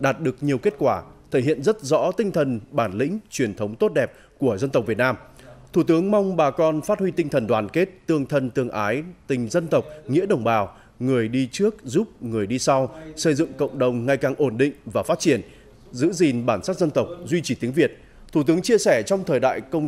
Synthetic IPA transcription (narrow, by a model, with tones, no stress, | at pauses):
ɗaː˨˩t̚ɗɨ˨˩ək̚ɲi˨˩əwke˦˥t̚kwaː˧˩t̪ʰe˧˩hḭ˧˨ənzə˦˥t̚zɔ̰˧˥t̪ï˧ŋ̟t̪ʰə˨˩nɓaː˧˩nlḭ̈˧˥ŋ̟t͡ɕwi˨˩ənt̪ʰə˨˦wŋ͡mt̪o˦˥t̚ɗɛ˨˩p̚ | ku˧˩əzə˧nt̪ə˨˩w̚vət̚naː˧mt̪ʰu˧˩t̪ɨ˨˦əŋma˧wŋ͡mɓaː˨˩kɔ˧nfaː˦˥t̚hwi˧t̪ï˧ŋ̟t̪ʰə˨˩nɗwaː˨˩nke˦˥t̚t̪ɨ˧əŋt̪ʰə˧nt̪ɨ˧əŋʔaː˨˦jt̪ï˨˩ŋ̟zə˧nt̪ə˨˩wk͡p̚ŋḭ˧˥əɗə˨˩wŋ͡mɓaː˨˩w | ŋɨ˨˩əjɗi˧t͡ɕɨ˦˥ək̚zu˦˥p̚ŋɨ˨˩əjɗi˧sa˧wsə˧jzɨ̰˧˨ŋkə̰˧˨wŋ͡mɗə˨˩wŋ͡mŋa˨˩jkaː˨˩ŋʔo˧˩nɗḭ̈˧˨ŋ̟vaː˨˩faː˦˥t̚t͡ɕi˧˩ən | zɨ̰˧˥zi˨˩nɓaː˧˩nsaː˦˥t̚zə˧nt̪ə˨˩wk͡p̚zwi˧t͡ɕi˧˩t̪i˨˦əŋvi˨˩ət̚ | t̪ʰu˧˩t̪ɨ˨˦əŋt͡ɕi˧əsɛ˧˩t͡ɕɔ˧wŋ͡mt̪ʰəː˨˩jɗa̰ː˧˨jkə˧wŋ͡m